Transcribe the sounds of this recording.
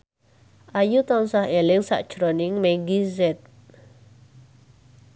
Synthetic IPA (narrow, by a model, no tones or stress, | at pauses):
ʔajut̪ɔnsahelɪŋsa̰ʔd̥ʒ̥ɾonɪŋmɛŋɡizɛt̪̚